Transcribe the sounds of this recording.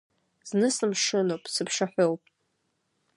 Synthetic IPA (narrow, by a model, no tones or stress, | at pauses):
z̥nɨsɨmʂɨnowpʼsɨpʰʂaħʷowpʼ